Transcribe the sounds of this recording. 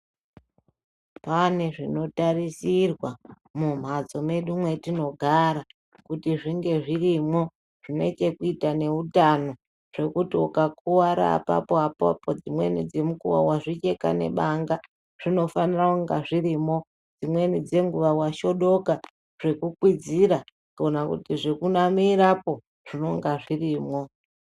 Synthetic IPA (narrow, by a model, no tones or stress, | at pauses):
pane̞ʐino̞tarisirwa | mum̤ad͡zo̞me̞ɗumwe̞tino̞ɡʱaɾa | kutiʐiŋɡe̞ʐirimo̞ | ʐ̥ine̞̰it͡ʃe̞kuitane̞utano̞ | ʐ̥e̞kutiokakuwaɾa̰pa̰poapoa̰po̞d͡zimwe̞̰nid͡ze̞mukuwa̰waʐit͡ʃe̞ka̰ne̞̰ɓaŋɡa | ʐ̥ino̞fanirakuŋɡaʐirimo̞ | d͡zimwe̞nid͡ze̞ŋɡuʋawaʃo̞ɗo̞ka | ʐ̥e̞kukwid͡ziɾa | konakṵtiʐekunamiɾapo̞ | ʐ̥ino̞ŋɡaʐiriːmo̞